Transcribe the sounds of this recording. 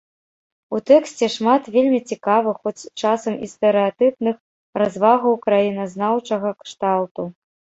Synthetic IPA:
ut̪ɛksʲt͡sʲɛʂmat̪vʲelʲmʲit͡sʲikavɨxɔt͡sʲt͡ʂasɐmḭst̪ɛɾɨat̪ɨp̪nɨx | razvaɣɐwkɾajinɐznawt͡ʂɐɣɐkʂt̪awt̪u

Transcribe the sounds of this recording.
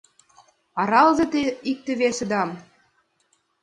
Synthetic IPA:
ɑɾɑlzɤ̆t̪eik̚t̪ɘ̆βesĕd̪ɑm

